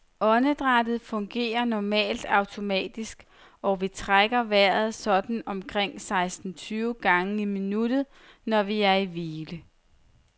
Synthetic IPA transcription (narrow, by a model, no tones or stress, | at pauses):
ɒ̽nəd̥ʁad̥ð̩ˠfɔ̽ŋɡ̥e̝̰ːɐnɒmɛ̰ːld̥ɑ̈ʊt͡sʰo̝mɛ̰ːd̥isɡ̥ | ɒʋit͡sʰʁaɡ̥ɐʋæɐ̰ð̩ˠsɒ̽d̥n̩ɒ̽mkʰʁeŋ̰sɑ̈ɪsd̥n̩t͡sʰyːʊɡ̥ɑ̈ŋəiminud̥ð̩ˠ | nɒʋiæɐiʋiːlə